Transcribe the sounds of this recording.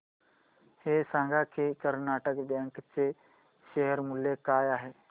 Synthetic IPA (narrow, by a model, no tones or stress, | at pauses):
hesãːŋɡakʰekəɾnaːʈəkbɛ̃ːŋkt͡ʃe | ʃeɦəɾmʊljekaːjaɦeː